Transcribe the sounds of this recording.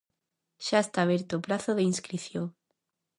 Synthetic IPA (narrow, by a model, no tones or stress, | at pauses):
ʃaest̪aːβeɾt̪oːpɾaθoðeinskɾiθjoŋ